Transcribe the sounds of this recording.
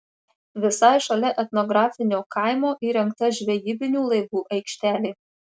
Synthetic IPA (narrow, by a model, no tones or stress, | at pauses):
ʋʲɪsɑjʃɐlʲɛʔɛt̪nɔɡɾɑːfʲɪnʲoːkɑˑɪmoːʔiːɾʲɛŋˑkt̪ɐʒʲʋʲɛjiːbʲɪnʲuːlˠɐɪʋuːʔɐɪkʃʲt̪ʲæːlʲeɪ